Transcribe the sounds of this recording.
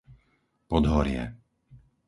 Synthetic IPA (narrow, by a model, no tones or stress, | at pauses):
pɔd̪ɦɔɾɪɛ̰